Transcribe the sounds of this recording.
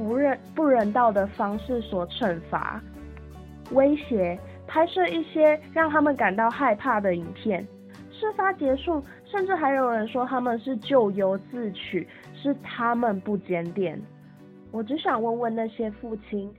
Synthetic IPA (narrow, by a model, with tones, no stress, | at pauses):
pu˥˧ɻə˥˧nt̪ɑ˥˩ʊd̪ə˩fɑ˥ŋʂɻ̩˥˩swɔ˨˩ʈ͡ʂʰə˨˩nfa̰˧˥ | we˥ɪɕjɛ˧˥ | pʰa˥ɪʂə˥˧i˥˩ɕjɛ˥ɻɑ˥˩ŋt̪ʰa˥mə˨nka˨˩nt̪ɑ˥˧ʊxa˥˧ɪpʰa˥˩d̪ə˩i˨˩npʰjɛ˥˩n | ʂɻ̩˥˩fa˧˥t͡ɕjɛ˧˥ʂu˥˩ | ʂə˥˧nʈ͡ʂɻ̩˥˩xa˧˥ɪjo˨˩ʊɻə˧˦nʂwɔ˥t̪ʰa˥mə˨nʂɻ̩˥˧t͡ɕjo˥˩ʊjo˧˥ʊt͡sɹ̩˥˩t͡ɕʰy˨˩˦ | ʂɻ̩˥˩t̪ʰa˦˥mə˨npu˥˩t͡ɕjɛ˥nt̪jɛ˨˩˦n | wɔ˨˩t͡ɕi˧˥ɕjɑ˨˩ŋwə˥˧nwə˥˧nna˥˩ɕjɛ˥fu˥˩t͡ɕʰi˥n